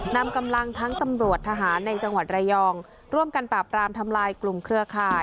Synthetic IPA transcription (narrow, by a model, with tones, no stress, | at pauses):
na˧mka˧mla˧ŋt̪ʰa˦˥ŋt̪a˧mɾu˨˩ət̪ʰːa˧ɦaː˩˦nːa˧jt͡ɕa˧ŋwa˨˩t̪̚ɾa˧jɔː˧ŋ | ɾu˥˩əmka˧npɾaː˨˩p̚ɾaː˧mt̪ʰa˧mlaː˧jklu˨˩mkʰɾɯ˥˩əkʰaː˧˩j